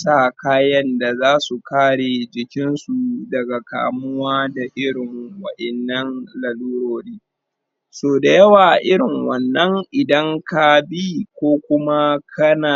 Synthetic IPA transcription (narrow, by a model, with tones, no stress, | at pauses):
sa˨kaː˦jɐ˦nda˨zaː˦su˨kaː˦ɽeː˨d͡ʒɪ˨kʲɪ˦nsu˨dɐ˨ɡa˨ka̰ː˨mʊ˦waː˦da˨ʔɪ˦ɽɪ˨ŋwɐ˦ʔɛ˨nːɐ˦nlɐ˨luː˦ɽoː˨ɾiː˦ | soː˨da˨jɐ˦waː˨ʔɪ˦ɽɪ˨ŋwɐ˨nːɐ˦ŋʔɪ˨dɐ˦ŋka˦bi˦kʷoː˦kʷʊ˦ma˦kʰɐ˦naː˨